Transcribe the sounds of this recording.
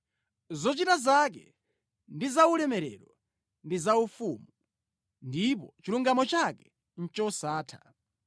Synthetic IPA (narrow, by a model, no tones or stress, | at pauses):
zɔt͡ʃitazak̬ɛ̰ | ndizaulɛmɛɾɛ̰ɾɔ | ndizaufumu | ndip̬ɔt͡ʃiluŋɡamɔt͡ʃakɛ | n̩t͡ʃɔsaːtʰḁ̰